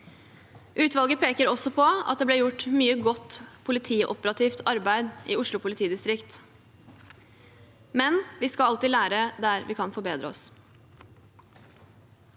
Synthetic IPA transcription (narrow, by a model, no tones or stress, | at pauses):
ʔʉːt̪ʋɑlɡəpʰeːkəɾɔsɔpʰɔɑ̰t̪̚d̪eːblɛːɾjʊʈmyːəɡɔt̪ːpʰʊlɪt̪ʰiːʔɔ̰pəɾɑt̪ʰiːft̪ʰɑɾbæɪd̪ʔiːʊʂɭʊpʰʊlɪt̪ʰiːd̪ɪst̪ɾɪkt̪ | mɛnʋiːskɑɑlt̪ɪːlæːɾəd̪æɾʋɪkʰɑnfɔɾbeːd̪ɾəɔ̰s